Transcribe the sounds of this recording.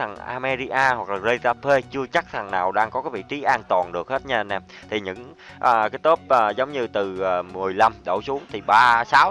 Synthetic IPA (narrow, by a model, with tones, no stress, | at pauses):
t̪ʰa˨˩ŋʔa̰ː˧mɛ˧zi˧ʔaː˧hwa˨˩k̚laː˨˩ze˧t̪aː˧pʰe˧t͡ɕɨ˧ət͡ɕa˦˥k̚t̪ʰa˨˩ŋnaː˨˩wɗaː˧ŋkɔ˨˦kaː˨˦jvḭ˧˨t͡ɕi˨˦ʔaː˧nt̪waː˨˩nɗɨ˨˩ək̚he˦˥t̚ɲa˧˩nɛ˨˩ | t̪ʰi˨˩ɲɨ̰˧˥ŋ | ʔaː˨˩kaː˨˦jt̪o˦˥p̚ʔəː˨˩zə˨˦wŋ͡mɲɨ˧t̪ɨː˨˩˨mɨ˨˩əjla˧mɗo̰˧˩su˨˦əŋt̪ʰi˨˩ɓaː˧saː˨˦w